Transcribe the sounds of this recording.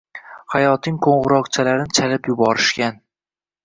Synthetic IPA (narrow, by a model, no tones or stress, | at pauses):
hajɒt̪ɪŋqʰoɴʁɨɾɒqt͡ʃʰalaɾɪnɪt͡ʃʰalɪpjʊbɒɾɪʃkʲan